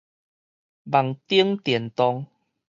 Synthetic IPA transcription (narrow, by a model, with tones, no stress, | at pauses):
ba˨˩ŋt̪i˦əŋt̪jɛ˨˩nt̪ɔ˧ŋ